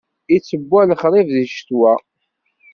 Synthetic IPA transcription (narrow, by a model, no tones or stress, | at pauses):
it͡sːəbːælχɾˤɪvðiʃt̪wæ